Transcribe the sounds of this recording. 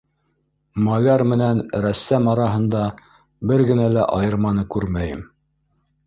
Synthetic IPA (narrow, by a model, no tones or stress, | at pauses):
mɑlɑɾmɘ̆nænɾæsːæmɑɾɑɦɤ̆nd̪ɑ | bɘɾɡɘ̆nælæʔɑjɤ̆ɾmɑnɤkʉɾmæjɘ̰m